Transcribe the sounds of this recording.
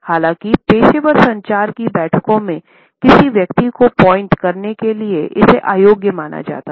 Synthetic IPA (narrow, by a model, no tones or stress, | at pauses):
haːlãːkipeːʃeʋəɾsɐ̃ɲt͡ʃaːɾkibɛːʈʰkõmẽ | kɪsiʋjɐkt̪ikopɔ̃ːɪ̃ɳʈkɐɾnekelieʔɪseʔaːjoːɡjəmaːna̰d͡ʒa̰ːt̪a